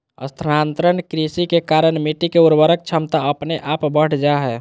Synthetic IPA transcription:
ə̰st̪ʰɾant̪ɾənkɾisikekaɾənmiʈikeuɾbəɾək̚t͡ʃʰəmt̪aəpneʔapbəʈʰd͡ʒaɦɛː

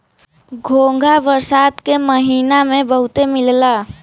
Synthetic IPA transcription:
ɡʱoːŋɡʱaʋəɾsaːt̪keməɦiːnamẽbəɦʊt̪emɪlla

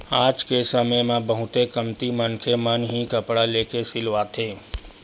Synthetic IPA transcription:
aːd͡ʒkesəməjmãbəɦʊt̪ekəmt̪imənkʰemənɦikəpɽaleːkesɪlʋaːt̪ʰeː

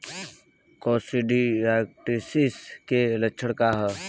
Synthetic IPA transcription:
koːsiɖiɾaːkʈisiskelət͡ʃʰəɽkaːɦə

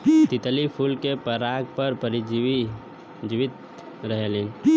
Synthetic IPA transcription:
t̪ɪt̪əlipʰulkepəɾaːɡ̚pəɾpəɾid͡ʒi | d͡ʒɪʋɪt̪ | ɾəɦelen

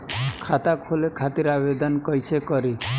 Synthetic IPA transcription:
kʰat̪akʰolekʰat̪iɾabed̪ɔnkɔjsekɔɾi

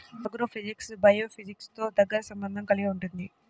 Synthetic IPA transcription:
ɐɡɾoːpʰid͡ʒiksbɐjoːpʰid͡ʒikst̪o̞ːd̪ɐɡːɐɾɐsɐmbɐnd̪ʱɐmkɐliɡiuɳʈund̪i

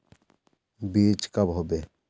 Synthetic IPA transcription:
biːt͡ʃkɐbɦobe

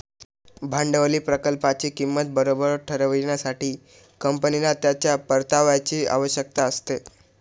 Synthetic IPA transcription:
bʱaɳɖəʋəliːpɾəkəlpat͡ɕiːkimːət̪̚bəɾobəɾʈʰəɾəʋinasaʈiː | kəmpənilat̪jat͡ɕjapəɾt̪aʋat͡ɕiːa̰ʋəɕjək̚t̪aəst̪e

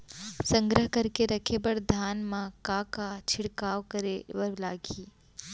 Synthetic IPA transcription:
sə̃ŋɡɾəɦkɐɾkeɾɐkʰebɐɾd̪ʱaːnmãkakat͡ʃʰɪɽkaːwkɐɾeʋɐɾlaːɡiː

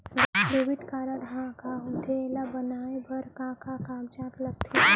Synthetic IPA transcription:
bpɾeʋɪʈkaːɾəɽɦãkaʊ̃t̪elabɐnaːebɐɾkãːkakaːmt͡ʃaːt̪lɐɡ̚t̪ʰe

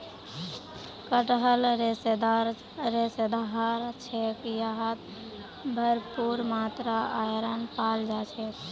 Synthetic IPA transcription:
kəʈɦəlɾed̪ɾ | ɾesed̪aɦaɾt͡ʃʰɛkjaɦət̪ | bʱəɾpuɾmat̪ɾaʔajɾənpald͡ʒat͡ʃʰɛt̪

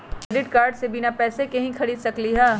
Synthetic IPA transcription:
kɖɪʈkaːɾɖsebinapɛːsekɐɦĩxʰɐɽiːd̪sɐkliɦɛː

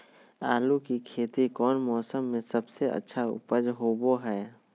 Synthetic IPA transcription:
aːlukikʰeːt̪ikɔːnmɔːsəmːẽsəbseʔə̰tːʃʰaʊ̰pəd͡ʒɦoboɦɛː

